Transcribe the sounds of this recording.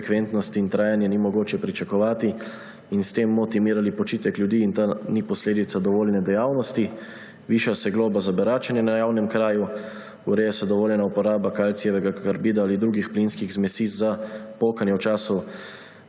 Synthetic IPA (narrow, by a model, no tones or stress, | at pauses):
kʋent̪nɔst̪iːnt̪ɾaːjanjɛnimɔɡoːt͡ʃjɛpɾit͡ʃakɔʋaːt̪i | inst̪eːmːɔt̪imiːɾalipɔt͡ʃiːt̪ɛkljud̪iːnt̪anipɔsleːd̪it̪sad̪ɔʋoːljnɛd̪ɛjaːwnɔst̪i | ʋiːʃasɛɡloːbazabɛɾaːt͡ʃanjɛnajawnɛmkɾaːju | uɾɛːjɛsɛd̪ɔʋoːljɛnaupɔɾaːbakaːlt̪sijɛʋɛɡakaɾbiːd̪aaːlid̪ɾuːɡixplinskiɣzmɛsiːzapoːkanjɛwt͡ʃaːsɔ